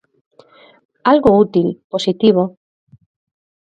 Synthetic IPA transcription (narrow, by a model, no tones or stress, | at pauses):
alɣout̪ilposit̪iβo